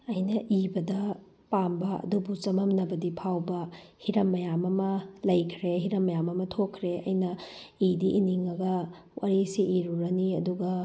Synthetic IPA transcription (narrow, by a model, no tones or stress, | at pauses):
ɐjnɐʔibɐdɐ | pambɐɐ̰dubut͡ʃɐmɐmnɐbɐdipʰawbɐhiɾɐmːɐjamɐmɐlɐjkʰɾeɦiɾɐmːɐjamɐmɐtʰokʰːɾeɐ̰jnɐidiʔiniŋɐɡɐ | waɾisiʔiɾuɾɐniɐduɡɐ